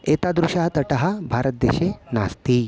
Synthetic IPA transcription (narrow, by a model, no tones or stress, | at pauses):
et̪ad̪ɾuɕaɦt̪əʈaɦabʱaɾət̪̚d̪eɕena̰st̪iː